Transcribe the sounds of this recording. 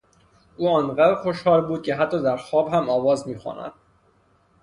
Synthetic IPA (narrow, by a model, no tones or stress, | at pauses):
uːɒːnɢæbxo̞ʃhɒːɾbuːd̪̚cʰe̞ɦæt̪ʰːɒːd̪æɾxɒːbhæmɒːvɒːzmiːxɒ̰ːnæ̰d̪̥